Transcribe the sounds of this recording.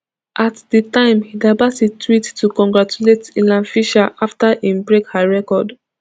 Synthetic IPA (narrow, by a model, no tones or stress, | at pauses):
ʔatdətãɪ̃mhidabatitʰɹittːukɔ̃ŋɡɹat͡ʃuletilãnfiʃaʔaftaʔĩmbɹekhaɹɛkɔd